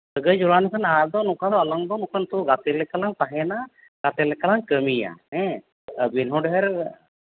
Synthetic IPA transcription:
t̪əɡəd͡ʒuɾanukʰənad̪ɔnukad̪ɔɐlɔŋd̪ɔnukʰənt̪uɡat̪elɛkɐlaŋt̪aɦɛna | ɡ̥at̪ɛlɛkɐlaŋkəmija̰ɦɛ̃ | binɦɔɖɦɛɾ

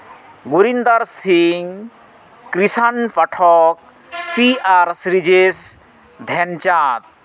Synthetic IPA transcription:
ɡuɾind̪aɾsiŋ | kɾisanpɐʈʰɔk̚ | pʰiaɾsɾid͡ʒes | d̪ʱɛnt͡ʃat̪̚

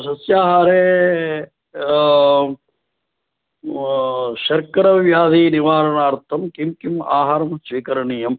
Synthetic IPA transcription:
sɐsjaːɦaːɾeː | ʃɐɾkɐɾɐʋjaːd̪ʱiniʋaːɾɐnaːɾt̪ʰɐmkimkima̰ːɦaːɾɐmsʋiːkɐɾɐɳiːjɐm

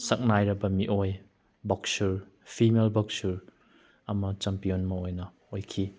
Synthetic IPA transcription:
sɐk̚najɾɐbɐmiʔoj | bɔksuɾ | pʰimelbɐksuɾ | ɐmɐt͡ʃɐmpijonmɐojnɐ | ojkʰi

